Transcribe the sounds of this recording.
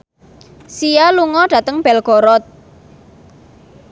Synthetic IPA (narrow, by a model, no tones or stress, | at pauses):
sijaluŋɔɖ̥ä̤t̪əŋb̥ɛ̤lɡ̥ɔɾɔt̪̚